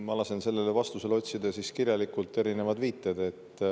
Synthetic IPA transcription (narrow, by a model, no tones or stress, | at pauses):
mɑlɑsense̞lːe̞levɑst̪use̞lo̞tʲsid̪ɑsiskirjɑlikˑult̪ːe̞ɾine̞vɑd̪viːt̪ːˑed̪̥e̞t̪ˑː